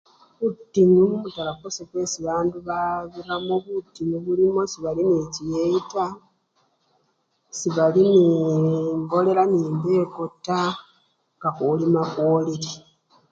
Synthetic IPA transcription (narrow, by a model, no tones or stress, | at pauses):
βutːinumumutalakosekwe̞ːsiβaːnduβaβiɾamoβutːinuβulimo̞siβalinicijeita | siβalini | ŋɡo̞le̞ɾaniːmbeːkotːa | ŋɡakoːlimakoːliɾi